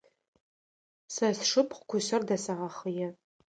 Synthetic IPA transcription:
sɐsʂɨpʰχkʷʊsɐrdɐsɐʁɐχəjɛ

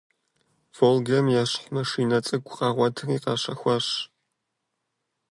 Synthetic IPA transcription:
v̥oːlɡɐmjaːɕħʷmɐʂiːnɐt͡sʼɐɡʷʼʊqɑʁʷɔtʰɨriːqɑːɕɐxʷɐɕ

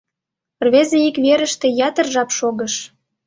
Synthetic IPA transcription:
rβezeikβeɾə̆ʃt̪ĕjɑt̪ə̆rʒɑpʃoɣə̆ʃ

